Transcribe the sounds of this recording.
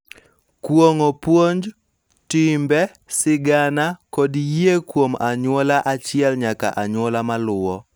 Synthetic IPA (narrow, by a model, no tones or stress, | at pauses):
kwoŋopwoɲd͡ʒ | tɪmbɛ | sɪɡanakodjiekwomaɲwɔlaʔat͡ʃɪɛlɲaka̰ʔaɲwɔlamalʊwɔ